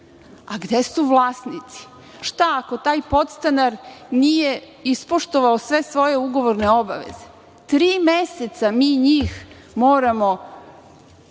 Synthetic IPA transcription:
aɡd̪esuʋlˠaːsnit̪si̥ | ʃt̪aːko̞t̪aːjpo̞t̪st̪anaɾnije̞ | ispoʃt̪oʋaosʋe̞sʋo̞je̞uɡo̞ʋoɾne̞o̞ba̰ʋḛze | t̪ɾiːmeset̪samiːɲiːx | mo̞ːɾamo̞

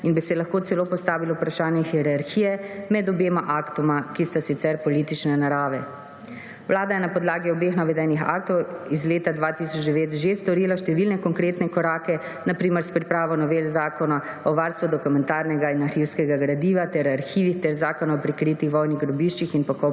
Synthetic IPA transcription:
inbisɛlaxkoːt̪sɛloːpɔst̪aːʋilɔwupɾaʃaːnjɛxiɾaɾxiːjɛmɛd̪ɔbeːmaʔakt̪ɔmakist̪asit̪sɛɾpɔliːt̪it͡ʃnɛnaɾaːʋɛ | wlaːd̪ajɛnapɔd̪laːɡiɔbexnaʋɛd̪ajnixa̰ːkt̪ɔwizleːt̪ad̪ʋat̪isɔt͡ʃd̪ɛʋeːt̪ʒest̪ɔɾiːlaʃt̪ɛʋilnɛkɔŋkɾeːt̪nɛkɔɾaːkɛ | napɾiːmɛɾspɾipɾaːʋɔnɔʋelzaːkɔna | ɔʋaɾst̪ʋud̪ɔkumɛnt̪aːɾnɛɡainaxiwskɛɡaɡɾad̪iːʋat̪ɛɾaɾxiːʋixt̪ɛɾzaːkɔnaɔpɾikɾiːt̪ixʋɔjniɣɡɾɔbiʃt͡ʃixinpɔkɔ

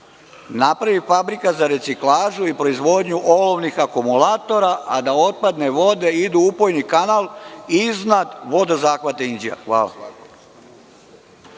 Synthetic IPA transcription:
napɾaʋifabɾikazaɾe̞t̪siklaːʒuipɾoizʋo̞d̪ɲuʔoloʋnixakumulat̪o̞ɾaʔad̪ao̞t̪̚pad̪ne̞ʋo̞d̪e̞id̪uupojnikanalˠiznad̪ʋo̞d̪ozaːxʋat̪eind͡ʒija̰xʋa̰ːla̰

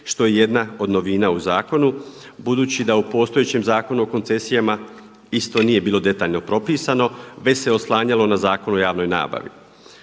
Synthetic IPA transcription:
ʃt̪o̞jeje̞d̪nao̞d̪no̞ʋiːnaːuzaːko̞nubud̪uːt͡ɕid̪aupo̞ːst̪o̞jet͡ɕemzaːko̞nuoko̞nt̪se̞sijama | ist̪o̞niːje̞biːlˠo̞d̪e̞t̪aːʎno̞pɾo̞piːsano̞ʋe̞se̞o̞slˠaːɲalˠo̞nazaːko̞nojaːʋno̞jna̰ːba̰ʋḭ

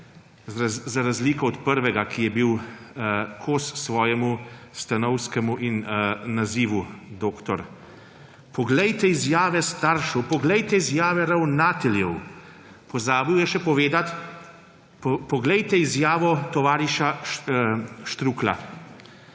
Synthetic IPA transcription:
zaɾazliːkɔɔt̪pəɾʋɛɡakʰijɛbiw | kʰoːssʋɔːjɛmust̪anɔwskɛmuʔinnaziːʋud̪oːkt̪ɔɾ | pɔɡlɛjt̪ɛizjaːʋɛst̪aɾʃɔwpɔɡlɛjt̪ɛizjaːʋɛɾawnaːt̪ɛljɛw | pɔzaːbiwjɛʃɛpɔʋeːd̪at̪ | pɔɡlɛjt̪ɛizjaːʋɔt̪ɔʋaːɾiʃa | ʃt̪ɾuːkla̰

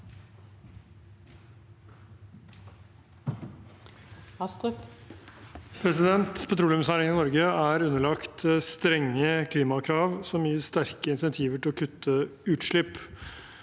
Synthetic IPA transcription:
ɑst̪ | pʰɾɛsɪd̪ɛnt̪pʰɛt̪ʰɾuːlʉmsæːɾɪŋɪnɔɾɡəæːɾʉnːəɭɑkt̪st̪ɾɛŋːəkʰliːmɑkʰɾɑːʋsɔmːjiːəst̪æɾkəɪnsɛnt̪ʰiːʋəʈɪlɔkʰʉt̪ʰːəʉːt̪ʂɭɪpː

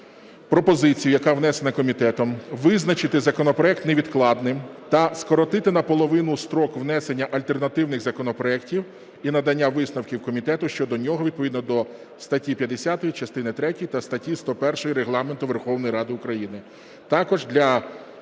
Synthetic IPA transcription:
pɾɔpɔzɪt͡sʲijʊjɐkɑwnɛsenɐkɔmʲit̪ɛt̪ɔmʋɪznɐt͡ʃɪt̪ɪzɐkɔnɔpɾɔɛk̚t̪neʋʲid̪klˠɑd̪nɪmt̪ɐskɔɾɔt̪ɪt̪ɪnɐpɔlˠɔʋɪnʊst̪ɾɔkʋnɛsenʲːɐʔɐlʲt̪e̞rnɐt̪ɪwnɪɣzɐkɔnɔpɾɔɛktʲiw | inɐd̪ɐnʲːaʋɪsnɐwkʲiwkɔmʲit̪ɛt̪ʊʃt͡ʃɔd̪ɔnʲɔɦɔʋʲid̪pɔʋʲid̪nɔd̪ɔ | st̪ɐtʲipʲjɐd̪esʲat̪ɔjit͡ʃɐst̪ɪnɪt̪ɾɛtʲijt̪ɐst̪ɐtʲist̪ɔpɛrʃɔjiɾeɦlˠɑment̪ʊʋerxɔwnɔjɾɑd̪ɪʊkɾɐjinɪ | t̪ɑkɔʒd̪lʲɐ

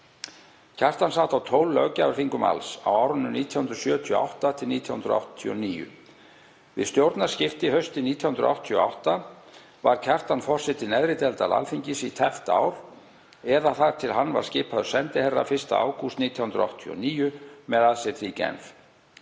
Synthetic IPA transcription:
cʰar̥t̪ansaːt̪awt̪ʰoːwlːœɣcaʏɾ̥θiŋkʏma̰lsa̰waːwɾʏnːʏniːt̪ʰjawhʏnd̪ɾʏ̥sjœːt̪ʰiɔa̰wht̪at̪ʰɪlniːt̪ʰjahʏnd̪ɾa̰wht̪ʰːiɔ̰niːjʏ̰ | vɪ̰ðst̪jowɾt̪naɾ̥scɪft̪ɪhœɥst̪ɪniːt̪ʰjahʏnd̪ɾ̰ʔa̰wht̪ʰiɔa̰wht̪a | vaɾ̥cʰar̥t̪anfɔr̥sɛt̪ɪnɛðɾɪt̪ɛlt̪ala̰lfiɲcɪsit̪ʰɛft̪a̰ːwɾ̥ | ɛðaθaðt̪ʰɪlɦanːva̰ɾ̥scɪːpʰaðʏɾ̥sɛnt̪ɪhɛrːa̰fɪr̥st̪a̰a̰ːwkʰust̪niːt̪ʰjahʏnd̪ɾa̰wht̪ʰiɔ̰niːjʏmɛðaðsɪθɾicɛ̰nf

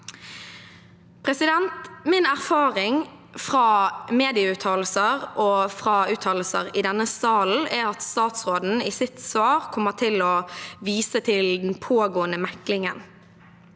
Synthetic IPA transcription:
pʰʁɛsɪd̪ɛnt̪mɪnæʁfɑːʁɪŋ | fʁɑːmeːd̪ɪəʉːt̪ʰɑːll̩səʁʔɔfʁɑʉːt̪ʰɑːll̩səʁɪd̪ɛnːəsɑːl̩ɛʁɑt̪st̪ɑːt̪sʁoːd̪n̩ɪsɪt̪sʋɑːʁkʰɔmːəʁt̪ʰɪlɔʋiːsət̪ʰɪld̪npʰoːɡoːənəmɛklɪŋən

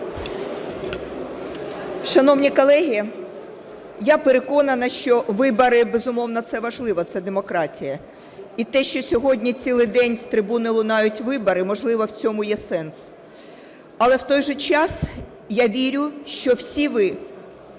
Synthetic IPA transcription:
ʃɐnɔwnʲikɔlˠɛɦʲi | japeɾekɔnɐnɐʃt͡ʃɔʋɪbɐɾɪbezʊmɔwnɐt̪sɛʋɐʒlˠɪʋɐt̪sɛd̪emɔkɾɑtʲijɐ | it̪ɛʃt͡ʃɔsʲɔɦɔdʲnʲit͡sʲilˠɪjd̪ɛnʲst̪ɾɪbunɪlˠʊnɑjʊtʲʋɪbɐɾɪmɔʒlˠɪʋɐwt͡sʲɔmʊjɛsɛns | ɐlˠɛwt̪ɔjʒɛt͡ʃɑs | jaʋʲiɾʲʊʃt͡ʃɔwsʲiʋɪ

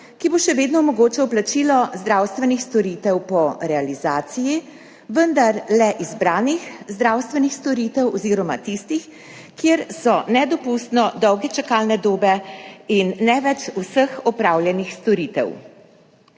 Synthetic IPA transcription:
kiboʃɛʋeːd̪nɔmɔɡoːt͡ʃɛwplat͡ʃilɔzd̪ɾaːwst̪ʋɛnixst̪ɔɾiːt̪ɛwpɔɾɛalizaːt̪siji | ʋənd̪aɾlɛʔizbɾaːnixzd̪ɾawst̪ʋɛnixst̪ɔɾiːt̪ɛwɔziːɾɔma̰t̪ist̪ix | kjeɾsɔnɛd̪ɔpust̪nɔd̪ɔwɡɛt͡ʃakaːlnɛd̪oːbɛinːɛʋɛt͡ʃusəxɔpɾawljɛnixst̪ɔɾiːt̪ɛ̰w

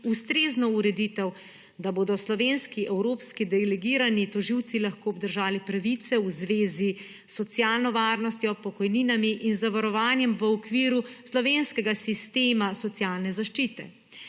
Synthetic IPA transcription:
ust̪ɾeːznɔuɾɛd̪iːt̪ɛw | d̪aboːd̪ɔslɔʋenskiʔɛwɾopskid̪ɛlɛɡiːɾanit̪ɔʒiwt̪silaxkoːbd̪əɾʒaːlipɾaʋit̪sɛuzʋeːzi | sːɔt̪sjaːlnɔʋaːɾnɔst̪jɔpɔkɔjniːnamiʔinzaʋaɾɔʋaːnjɛmʋəɔkʋiːɾuslɔʋeːnskɛɡasist̪eːmasɔt̪sjaːlnɛzaʃt͡ʃiːt̪ɛ̰

